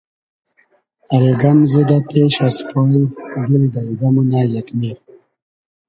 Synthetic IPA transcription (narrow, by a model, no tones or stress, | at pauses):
alɡamzid̪apeʃaspoid̪ild̪aid̪amunaːjakmiɾ